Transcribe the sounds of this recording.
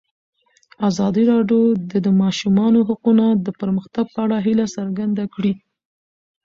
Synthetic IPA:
azɑd̪iɾɑɖjod̪əd̪əmɑʃumɑnoɦaqunad̪əpəɾməxt̪aɡ̚pəaɽaɦilasaɾɡand̪akɽi

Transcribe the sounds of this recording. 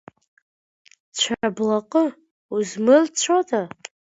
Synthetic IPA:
t͡ɕʷʰaablaqʼə | uzmɨlt͡ɕʷʰodʰa

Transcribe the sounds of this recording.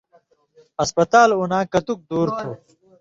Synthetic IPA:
ɐspɐt̪aːlunaːkɐt̪uk̚d̪uːɾt̪ʰuː

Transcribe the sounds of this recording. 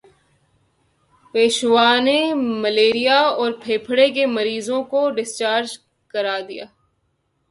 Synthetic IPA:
peːʃʋaːnemɐleːɾijaɔːɾpʰeːpʰɽek̬emɐɾiːzõkoɖɪst͡ʃaːɾd͡ʒ | kɐɾaːd̪ija̰ː

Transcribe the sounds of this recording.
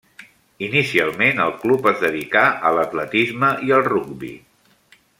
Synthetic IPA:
inisialˠmenəlˠklupəzðəðikaʔələt̪lət̪izməʔiəlˠruɡbḭ

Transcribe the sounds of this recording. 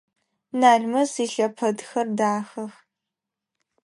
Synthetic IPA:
naːɮmɐsiːɬɐpʰɐdxɐrdaːxɐx

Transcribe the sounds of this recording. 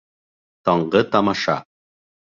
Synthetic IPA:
t̪ɒɴɢɤt̪ɑmɑʃɑ̰

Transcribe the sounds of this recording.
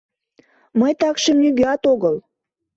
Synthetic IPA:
məjt̪ɑkʃəmnyɣøɑt̪oɣəl

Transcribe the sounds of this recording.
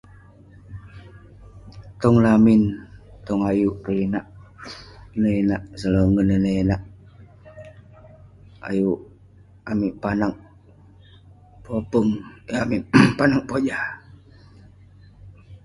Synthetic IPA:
t̪ɔŋlamint̪ɔŋajuʔkəinaʔ | nəinaʔsələŋənənəinaʔ | a̰juʔ | amiʔpanaŋ | popəŋamiʔpanaŋpod͡ʒa

